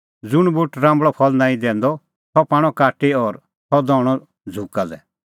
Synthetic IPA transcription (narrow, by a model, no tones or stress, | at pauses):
d͡zʊɽ̃bʊʈɾãːmbɭɔpʰɔlnãːĩd̪ɛ̃ːnd̪ɔ | t̪ʰɔpaːɽ̃ɔkaːʈiɔːɾ | t̪ʰɔd̪ɔːɽ̃ɔ | d͡zʱukalɛ